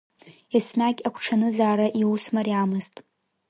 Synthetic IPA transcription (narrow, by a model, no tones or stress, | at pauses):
asnaɡʲʼakʷʰʈ͡ʂʰanɨzaːɾaʔiwusmariamɨztʼ